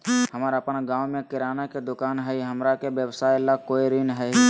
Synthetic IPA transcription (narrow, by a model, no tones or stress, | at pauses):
ɦəmaɾaəpnaɡaːwmẽkɪɾaːnaked̪ʊkaːnɦəiɦəmɾakebjəwsaːjlakoːiɾinɦə